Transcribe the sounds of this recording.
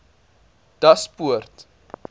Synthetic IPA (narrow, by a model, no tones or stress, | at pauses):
d̥ɐspuərt